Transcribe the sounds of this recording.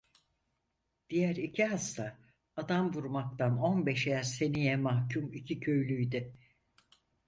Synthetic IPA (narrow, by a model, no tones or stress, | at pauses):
d̪̥ijæɾicʰiɦast̪ʰaː | d̪amvuɾmak̚t̪ano̞nbɛʃjæɾse̞nijɛmahcʰumicʰicʰø̞jlʲyjd̪ɪ